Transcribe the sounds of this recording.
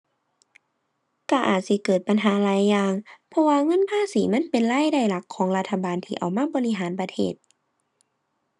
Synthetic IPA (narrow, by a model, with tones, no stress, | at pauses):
ka˧˩ʔa̰ː˨˩t̪̚si˧˦kɤː˨˩t̪̚pa˨nɦaː˨˦laː˨˦jːaː˧ŋpʰɔ˧waː˧˨ŋɤ˧˥˨npʰaː˧˥˨siː˨˦ma˧˥˨npe˨nlaː˧˥˨jda˧˥˩jla˧˦kʰːɔː˨˦ŋla˧t̪ʰːa˧baː˨nt̪ʰiː˧˩ʔa˨˩wmaː˧˥˨bɔː˧˦li˧ɦaː˨˦npa˧t̪ʰḛː˧˥˩t̪̚